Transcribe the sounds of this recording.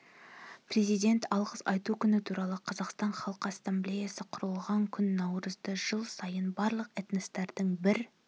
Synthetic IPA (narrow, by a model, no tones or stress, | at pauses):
pʰɾe̞zijd̪ʲe̞nt̪ɑlˠʁəsɑjt̪ukʲʰʏnɪt̪ʰuɾɑlˠəqʰɑzɑqst̪ɑɴχɑlˠqəasːamblʲe̞jasəqʰʊɾəlˠʁɑŋkʲʰʏnːɑwɾəzd̪əʒəlˠsɑjənbɑɾlˠəqæt̪ɪnɪst̪eɾd̪ɪŋbɪɾ